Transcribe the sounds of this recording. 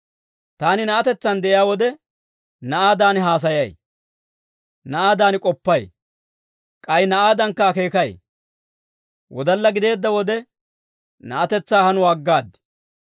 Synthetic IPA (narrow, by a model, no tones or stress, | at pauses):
t̪aːnɪnɐʔɐt̪ɛt͡sːɐnd̪ɛʔɪjaːwɔd̪ɛ | nɐʔaːd̪aːnɦaːs̬ɐjɐj | nɐʔaːd̪aːnɪkʼɔpːɐj | kʼɐjnɐʔaːd̪ɐŋkːɐːke̞ːkɐj | wʔɔd̪ɐlːɐɡɪd̪e̞ːd̪ːɐwɔd̪ɛ | nɐ̰ʔɐt̪ɛt͡sːaːhɐnʊwaːɡːaːd̪ːɪ̥